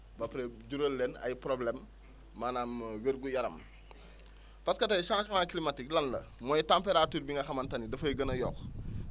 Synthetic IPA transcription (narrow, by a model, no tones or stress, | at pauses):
bapɾeɟuɾolːenɐ̰jpɾoblemː | aːnaːmɡəɾɡujɐɾɐm | paskɐtɐsaŋkɐŋaklimatiklɐnlɐ̰mɔjtampeɾatuːɾbiŋɡɐxɐmɐntɐnidɐfɐiɡɐnɐjɔːk